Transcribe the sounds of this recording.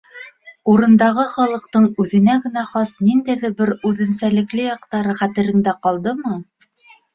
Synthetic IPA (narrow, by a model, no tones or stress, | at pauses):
uɾɤ̆nd̪ɑʁɤχɒlˠɤ̆qt̪ɤɴʉðɘ̆næɡɘ̆næχɑsnind̪æjðɘbɘɾʉðɘ̆nsælɘ̆klɘjɑqt̪ɑɾɤχæt̪ɘ̆ɾɘ̆ŋd̪æqɒlˠd̪ɤmɤ